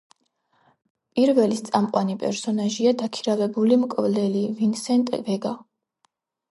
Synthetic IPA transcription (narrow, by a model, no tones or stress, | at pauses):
pʼiɾvɛlist̪sʼamqʼwanipʼɛ̰ɾsɔnaʒiad̪akʰiɾavɛbulimkʼvlɛlivinsɛnt̪ʼɛ̰vɛɡa